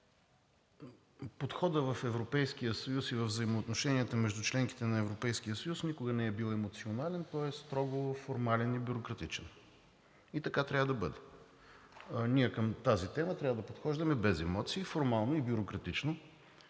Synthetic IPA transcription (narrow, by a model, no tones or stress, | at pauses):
pot̪xɔd̪əvɐfɛvɾopɛjskijəsɐjusivɐvzəimoːt̪noʃɛniət̪əmɛʒd̪ut͡ʃlɛŋk̟i̥t̪ɛnɐɛvɾopɛjskijəsɐjusnʲikʊɡənɛɛbilˠɛmot̪sionalɛnt̪ɔɛst̪ɾɔɡofoɾmalɛnibʲjʊɾokɾɐt̪it͡ʃɛn | it̪ɐkat̪ɾʲavəd̪ɐbɤd̪ɛ | nʲiɛkəmt̪azit̪ɛmət̪ɾʲavəd̪ɐpot̪xɔʒd̪əmɛbɛzɛmɔt̪siːfoɾmalˠnoibʲjʊɾokɾɐt̪it͡ʃno